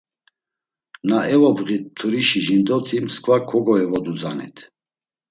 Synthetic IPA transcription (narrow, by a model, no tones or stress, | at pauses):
naɛvɔbɣit̪̚t̪ʰuɾiʃiʒind̪ɔt̪ʰimskʰvakʰɔɡɔɛvɔd̪ud͡zanɛ̰t̪ʰ